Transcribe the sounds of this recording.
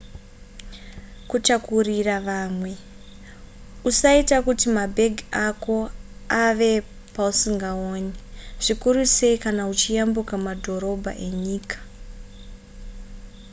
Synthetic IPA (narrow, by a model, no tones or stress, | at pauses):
kut͡ʃakuriraʋaːmwe̞ | usaitakutimabʱe̞ɡʱiako̞aʋe̞ | pausiŋɡaoːɲiʐ̥ikuɾuse̞ikanaut͡ʃijambukamadʱo̞ɾo̞bʱa̰ʔe̞ɲiːkḁ